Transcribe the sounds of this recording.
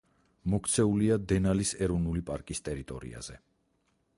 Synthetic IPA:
mɔkʰt̪sʰɛuliad̪ɛnalisɛɾɔvnulipʼaɾkʼist̪ʼɛɾit̪ʼɔ̰ɾḭa̰z̥ɛ

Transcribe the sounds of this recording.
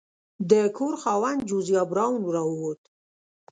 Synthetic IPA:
d̪əkʰoɾxɑwand̪̚d͡ʒuzijɑbɾɑwnɾɑwuwot̪

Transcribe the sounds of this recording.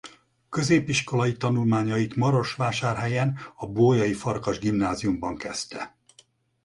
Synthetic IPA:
kø̞zeːpiʃko̞lɒjit̪ɒnulmaːɲɒjit̪mɒɾo̞ʃʋaːʃaːrɦɛjɛnɒboːjɒjifɒrkɒʒɡimnaːzijumbɒŋkɛst̪ɛ

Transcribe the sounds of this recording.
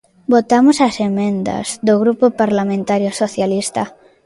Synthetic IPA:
bot̪amʊsɐsemẽnd̪ɐ̰z̥d̪oɣɾupʊpaɾlamẽnt̪aɾjosoθjalist̪a

